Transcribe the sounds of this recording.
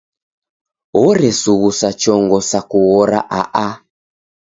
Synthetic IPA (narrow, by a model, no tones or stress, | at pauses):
ɔɾɛsuɣusat͡ʃɔŋɡɔsakuɣɔɾa̰ʔaʔa